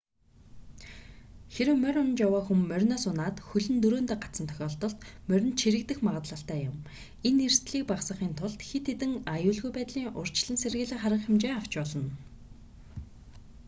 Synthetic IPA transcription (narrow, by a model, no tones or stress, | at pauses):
xeɾɘ̆wmœɾʲʊnt͡ɕjawaːxumːœrʲnɔːsʊnaːt̪xɵɮɘ̆nt̪ɵɾoːnt̪æːɢat͡sə̆nt̪ʰœ̥xʲɔːɬt̪ɞ̆ɬt̪mœɾʲɵ̆nt̪t͡ɕʰiɾɘ̆k̚t̪ɘ̆xmaʁə̆t̪ɮə̆ɬt̪æːjʊm | ener̥st̪ɮiːk̚paχsə̆χiːnt̪ʰʊɮt̪xet̪ʰːet̪ɘ̆ŋajʊːɮɣujpæːt̪ɮiːŋʔʊr̥t͡ɕɮə̆nserɣɘ̆ɮĭŋχarə̆χɪmt͡ɕeːaw̥t͡ɕpɔɮɞ̆n